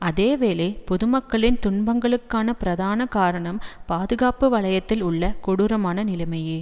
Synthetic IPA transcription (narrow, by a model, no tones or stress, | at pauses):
ɐðeːʋeːleːpɔðʊmɐkːɐɭɪnt̪ʊɳbɐŋɡɐɭɯkːaːnɐpɪɾɐðaːnɐkaːɾɐɳɐmpaːðɯɣaːpɯʋɐɭɐjɐt̪ːɪlʊɭːɐkɔɽʊɾɐmaːnɐnɪlɐmɐjeː